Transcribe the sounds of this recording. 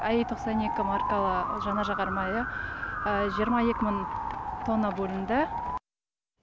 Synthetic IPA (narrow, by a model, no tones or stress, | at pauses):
æjejt̪ʰo̞qsɑne̞kʲɪmɑrkalˠəʒɑnɑʒɑʁɑɾmɑjəəʒijəɾmɑje̞kʲɪmɪŋt̪ʰo̞nːəbolʲɪnd̪ə